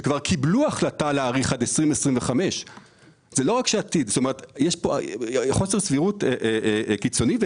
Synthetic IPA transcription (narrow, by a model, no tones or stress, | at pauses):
kvaʁkʰibluaχlataleaːʁiχadesʁimesʁimveχame̞ʃ | z̥elo̞ʁakʃeatidst̪ome̞ʁetjeʃpoχo̞se̞sviʁuteʔkit͡so̞nive